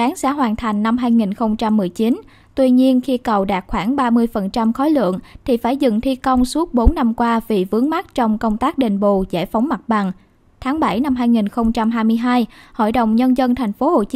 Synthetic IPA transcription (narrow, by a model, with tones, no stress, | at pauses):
aː˨˦ŋsa̰ː˧˥ɦwaː˨˩nt̪ʰa˨˩jŋ̟na˧mɦaː˧jŋi˨˩nxə˧wŋ͡mt͡ɕa˧mːɨ˨˩əjt͡ɕi˨˦n | t̪wi˧ɲi˧ənxi˧kə˨˩wɗaː˨˩t̚xwaː˧˩ŋɓaː˧mɨ˧əjfə˨˩nt͡ɕa˧mxɔ˨˦jlɨ̰˧˨əŋt̪ʰi˨˩faː˧˩jzɨ̰˧˨ŋt̪ʰi˧kə˧wŋ͡msu˦˥ət̚ɓo˨˦nːa˧mkwaː˧vi˨˩vɨ˨˦əŋma˦˥t̚t͡ɕɔ˧wŋ͡mkə˧wŋ͡mt̪aː˦˥k̚ɗi˨˩ŋ̟ɓo̰˧˨zɛ̰˧˩fɔ˨˦wŋ͡mma˨˩t̚ɓa˨˩n | t̪ʰaː˨˦ŋɓa˧˩jna˧mɦaː˧jŋi˨˩nxə˧wŋ͡mt͡ɕa˧mɦaː˧jmɨ˧əjɦaː˧jho̰˧˨jɗə̰˨wŋ͡mɲə˧nzə˧nt̪ʰa˨˩jŋ̟fo˨˦ho˨˩t͡ɕ